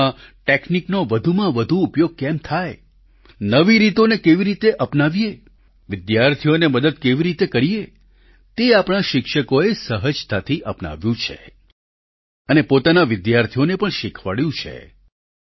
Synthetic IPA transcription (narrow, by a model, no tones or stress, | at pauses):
ã | ʈekniknoʋəd̪ʱumãʋəd̪ʱuːpjoɡ̚kɛmt̪ʰaj | nəʋiɾit̪onekeʋiɾit̪eʔəpnaʋije | ʋɪd̪jaɾt̪ʰijoneməd̪əd̪̚keʋiɾit̪ekəɾije | t̪eapɽ̃aʃɪkʃəkoesəɦəd͡ʒt̪at̪ʰiʔəpna̰ʋjũt͡ʃʰḛ | ənepot̪anaʋɪd̪jaɾt̪ʰijonepəɳʃɪkʰʋaɭjũt͡ʃʰḛ